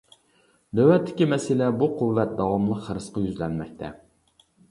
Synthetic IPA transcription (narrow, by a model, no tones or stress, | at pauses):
d̪ɛwlɛt̪ʰːɪ̥kʲimɛsɪlɛbuqʰuvːɛt̪̚d̪ɑwɑmlˠəqχəɾɨsqɑjyzlɛnmɛk̚ʲt̪ʰɛ